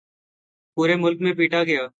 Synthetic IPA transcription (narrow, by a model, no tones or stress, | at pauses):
puːɾeːmʊlk̚mẽːpiːʈaːɡɪjaː